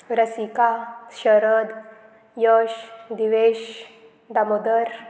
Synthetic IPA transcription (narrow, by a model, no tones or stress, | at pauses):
ɾəsikaʃəɾəd̪ | jəʃd̪iʋeʃ | d̪amod̪əɾ